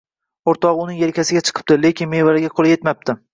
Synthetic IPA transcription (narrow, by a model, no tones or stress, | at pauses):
oɾt̪ɒʁʊnɪŋjelkʲʰasɪɡʲat͡ʃʰɨ̥qʰɨ̥p̚t̪ɪle̞kʲɪnme̞jvaɾɪɡʲaqʰolˠje̞t̪map̚t̪ɪ